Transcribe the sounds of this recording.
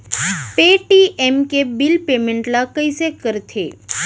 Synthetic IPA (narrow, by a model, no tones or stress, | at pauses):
peʈiʔemkebilpemẽɳʈlakəjsekəɾt̪ʰe